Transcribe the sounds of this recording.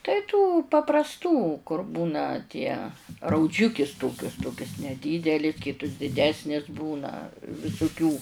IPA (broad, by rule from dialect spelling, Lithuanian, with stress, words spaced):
tɐɪ tuː pɐprɐsˈtuː kʊr ˈbuːnɐ tʲiɛ rɐʊˈd͡ʒʲʊkʲɪs ˈtoːkʲʊs ˈtoːkʲɛs nʲɛˈdʲiːdʲɛlʲɪ ˈkʲiːtʊs dʲɪˈdʲæːsʲnʲɪs ˈbuːnɐ ʋʲɪsʊˈkʲuː